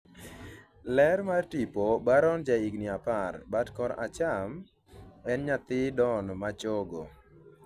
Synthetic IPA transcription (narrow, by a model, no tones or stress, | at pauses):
lɛɾmartipobaɾɔnd͡ʒaiɡniaparbatkɔɾa̰t͡ʃam | ɛnɲat̪ɪdɔnmat͡ʃɔɡo